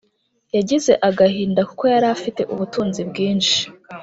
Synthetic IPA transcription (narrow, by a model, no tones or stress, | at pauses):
jaɟize̞ʔaɡahiːndakuko̞jaɾafite̞̰ʔuβutuːnzibɡiːnʃi̥